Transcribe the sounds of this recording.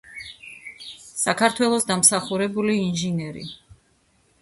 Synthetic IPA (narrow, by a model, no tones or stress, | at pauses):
sakʰaɾt̪ʰwɛlˠɔsd̪amsaχuɾɛbuliːnʒinɛɾḭ